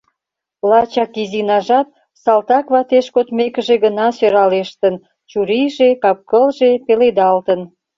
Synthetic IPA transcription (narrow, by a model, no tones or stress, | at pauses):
lɑt͡ɕɑkizinɑʒɑt̪̚ | sɑlt̪ɑkβɑt̪eʃkot̪mekəʒeɣənɑsøɾɑleʃt̪ən | t͡ɕuɾiʒekɑp̚kəlʒepeled̪ɑlt̪ən